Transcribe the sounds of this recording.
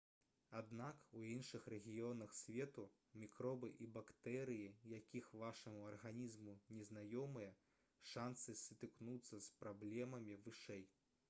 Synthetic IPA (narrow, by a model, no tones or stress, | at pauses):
ad̪nakuinʂɨxrɛɣʲijɔnɐxsʲvʲɛt̪u | mʲikɾɔbɨʔibakt̪ɛɾɨjijakʲixvaʂɐmuɐrɣanʲizmunʲɛznajɔmɨjɐ | ʂansɨsʲɨt̪ɨknut̪sːɐspɾablʲɛmɐmʲivɨʂɛj